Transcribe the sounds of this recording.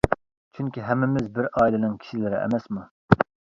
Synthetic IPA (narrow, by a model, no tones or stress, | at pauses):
t͡ʃʰyŋkʲiɦɛmːɪmɪzbɪɾɑːilɪnɪŋkʲʰi̥ʃilɪɾɪ̰ɛ̰mɛsmu